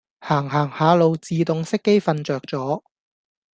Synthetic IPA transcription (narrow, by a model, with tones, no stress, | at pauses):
haː˨˩ŋɦaː˨˩ŋhaː˨˧lo˨˧wt͡siː˨t̪ʊ˨˧ŋsɪ˥kːe˥jfɐ˧nt͡ʃœː˨k̚t͡sɔː˨˥